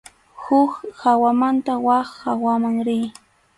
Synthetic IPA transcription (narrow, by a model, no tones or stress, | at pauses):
hʊkhawamant̪awaχhawamaŋɾɪj